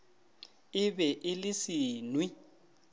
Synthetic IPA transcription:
ɪbɛʔɪlɪsiːnwi

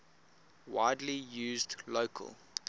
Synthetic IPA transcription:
waɪdlijʉːzdloʊkʰə̰lˠ

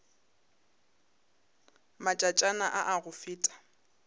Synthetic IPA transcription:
mat͡ʃʼat͡ʃʼanaʔaʔaɣʊfɪːtʼḁ

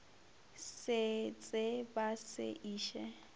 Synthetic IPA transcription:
sɪt͡sʼɪbasɪ̰ʔiːʃɛ

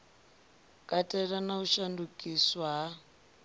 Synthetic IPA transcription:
kʼatʼɛɺanauʃandukʼiswaɦa

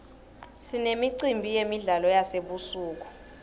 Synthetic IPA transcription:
sinemiǀimbʱijemiɮalɔjaseɓusuːk̬u̥

